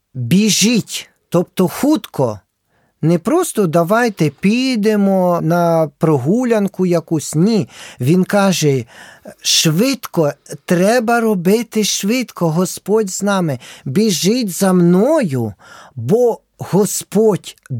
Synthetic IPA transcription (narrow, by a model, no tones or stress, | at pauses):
bʲiʒitʲ | t̪ɔpt̪ɔxut̪kʰɔ | nɛpɾɔst̪ɔd̪ɐʋɑjt̪ɛpʲijd̪emɔnɐpɾɔɦulʲɐnkʊjɐkusʲnʲiʋʲinkɑʒɛ | ʃʋɪt̪kɔt̪ɾɛbɐɾɔbɪt̪ɪʃʋɪt̪kɔɦɔspɔdʲznɑmɪbʲiʒɪtʲzɐmnɔjʊbɔ | hɔspɔtʲ